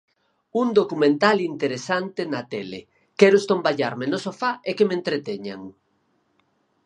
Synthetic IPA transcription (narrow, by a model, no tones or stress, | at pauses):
und̪okumẽnt̪alint̪eɾesant̪enat̪ɛlḛ | kɛɾost̪ombaʎaɾmenosofaekemẽnt̪ɾet̪ɛɲa̰ŋ